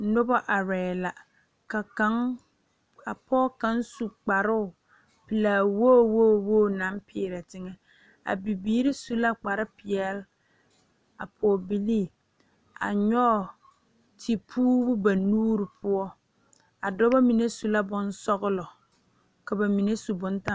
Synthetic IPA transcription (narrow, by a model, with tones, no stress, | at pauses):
nʊ˦bɔ˦ʔa˨ɾɛ˨la˨ | ka˨ka˦ŋ | a˨pɔː˦ka˦nsu˨k͡pa˨ɾʊ˦ʊ˨ | pɪ˨laː˨woː˦˨woː˦˨wo˦˨na˨˦mpʰɪː˨ɾɛ˨tɪ˦ŋɛ˨ | a̰˨bi˨biː˦ɾi˦su˦la˦k͡pa˨ɾɪ˦pɪ˨ɛ˦l | a̰˨pʰɔː˨bi˦li˦ | a̰˨ɲɔ˦˨ | tʰi˨pʰuː˦bʊ˦ba˨nuː˦ɾɪ˨pʰʊ˦ɔ˦ | a˨dɔ˦ba˦mi˨ne˦su˦la˦bʊ˦n˦sɔ˦ɣʊ˦lɔ˨ | ka˨ba˨mi˨ne˦su˨bʊ˦nta˦